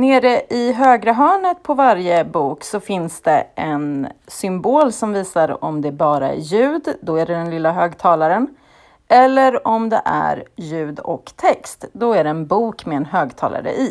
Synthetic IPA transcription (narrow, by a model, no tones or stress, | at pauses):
neːɾəʔɪɦøːɡɾaɦœːɳət̪̚pʰɔvaɾjəbuːksɔfɪnsd̪̥ɛʔɛnsʏmboːlsɔmviːsaɾɔ̰md̪ɛæbɑːɾaæ̰ɾjʉ̟ːd̪d̪ɔæɖɛd̪ɛnlɪlːaɦøːɡt̪ʰɑːlaɾən | ʔɛlːəɾɔmd̪ɛ̰ʔæ̰ɾjʉ̟ːd̪ɔ̰kt̪ʰɛkst̪d̪ɔæɖɛɛnbuːkmɛɛnɦøːɡt̪ʰɑ̰ːla̰ɾə̰ʔi